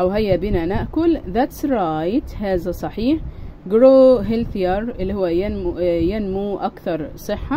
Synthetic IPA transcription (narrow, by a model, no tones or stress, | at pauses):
ʔæwɦæjːæbinænæʔkʊlðæt̪sɾˤɑːjt̪hæːzæsˤɑħiːħɡɾoːɦelθjɑɾˤɪlːihowːæjjenmuʔækθɑɾˤsˤɨħːɑ